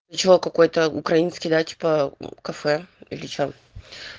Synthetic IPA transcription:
t͡ɕɪokɐko̞jt̪əʊ̰kɾɐinskʲɪjd̪atʲi̥pəkɐfɛḭlʲɪt͡ɕo

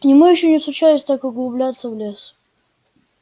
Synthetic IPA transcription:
nʲɪmɨjɪɕːonʲɪsʊt͡ɕajʊsʲt̪akəɡlˠʊblʲat̪səvlʲes

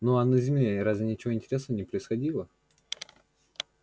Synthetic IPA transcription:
noɐnəzʲɪmlʲeɾazvʲɪnʲɪt͡ɕɪvoɪnʲtʲɪɾʲesnəvənʲɪpɾəɪsxɐdʲilˠə

